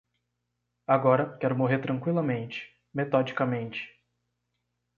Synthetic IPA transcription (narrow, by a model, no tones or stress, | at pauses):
aɡɔɾɐkɛɾʊmoɦeɾt̪ɾɐ̃ŋkwilɐmẽnt͡ʃɪ̥ | met̪ɔd͡ʒikɐmẽnt͡ʃɪ̥